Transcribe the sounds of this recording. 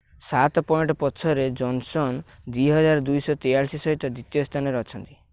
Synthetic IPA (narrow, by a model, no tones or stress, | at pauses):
sat̪ɔpɔjɳʈɔpɔsʰɔɾed͡ʒɔnsɔn | d̪iɦɔd͡ʒaɾɔd̪ujsɔt̪ejaɾsisɔɦit̪ɔd̪it̪ijost̪ʰanɔɾɔt͡ʃʰɔnt̪i̥